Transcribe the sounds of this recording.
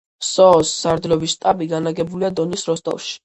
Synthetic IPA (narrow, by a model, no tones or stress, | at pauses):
sɔːsːaɾd̪ɾɔvist̪ʼabiɡanaɡɛbuliad̪ɔnisɾɔst̪ʼɔ̰fˠʃi̥